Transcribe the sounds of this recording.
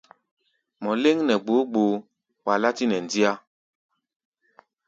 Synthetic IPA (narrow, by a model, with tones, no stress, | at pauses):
mɔ˨le˦ŋnɛ˨ɡ͡bo˨˦ɡ͡bo˨ | wa˨la˦ti˦nɛ˨n˨di˦a˦